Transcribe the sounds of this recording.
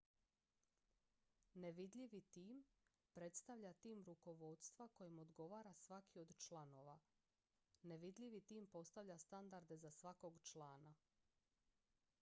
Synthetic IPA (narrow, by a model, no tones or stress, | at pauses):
neʋid̪ʎiʋit̪iːm | pɾe̞t̪st̪aʋʎat̪iːmɾuko̞ʋo̞d̪st̪ʋako̞jemo̞d̪ɡo̞ʋaːɾasʋakʰio̞d̪t͡ʃlˠano̞ʋa | neʋid̪ʎʲiʋit̪iːmpo̞st̪aʋʎʲast̪and̪aɾd̪e̞zasʋako̞ɡt͡ʃlˠaːna